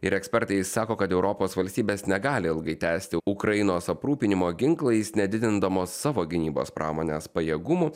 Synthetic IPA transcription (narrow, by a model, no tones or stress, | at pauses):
ɪɾɛksʲpʲɛɾt̪ɐɪsɑːkoːkɐt̪ɛʊɾɔpoːsʋɐlʲsʲt̪ʲiːbʲeːsnʲɛɡɑːlʲɪɪlˠɡɐɪt̪ʲæːsʲt̪ʲɪʊkɾɐjɪnoːsɐpɾuːpʲɪnʲɪmoːɡʲɪŋklˠɐɪsnʲɛd̪ʲɪd̪ʲɪnd̪ɐmoːsːɑːʋoːɡʲɪnʲiːbo̰ːspɾʔɑ̰ːmoːnʲeːspɐjeɛɡʊmʊ